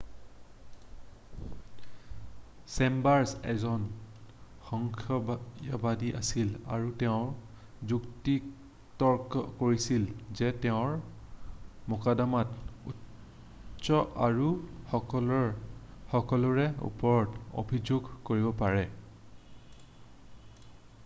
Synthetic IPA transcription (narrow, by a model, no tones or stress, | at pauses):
sɛmbaɹsɛ̰zɔn | xɔŋkʰɔbabadiʔa̰silaɹutɛʊ̃ɹ | zukti | tɔɹkɔkoɹisilzɛtɛʊ̃ɹ | mɔkadamatṵ | sɔʔaɹuɔ | xɔkɔlʊɹɛṵpɔɹɔto̰bʱizoɡkoɹibɔpaɹɛ